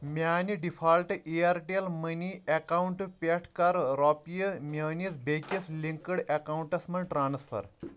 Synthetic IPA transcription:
maːniɖifʰalʈiaɾʈielməniʔɛkawuɳʈpʲeʈʰkɐɾɾɔpijəmenisbʱekisliŋkəɽekawuɳʈɐsmɐnʈɾanspʰɐ̰ɾ

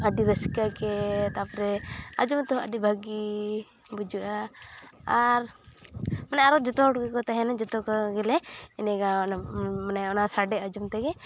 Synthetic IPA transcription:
aɖiɾəsi̥kakɛt̪apɾɛad͡ʒumt̪ɔɦɔaɖibʱaɡi | bud͡ʒuʔa | aɾ | manajaɾɔd͡ʒɔt̪ɔɔʈɡɛkɔt̪aɦɛnad͡ʒɔt̪ɔkɔɡɛlɛɛnɛɡanmanajɔnasaɖɛad͡ʒumt̪ɛkɛ

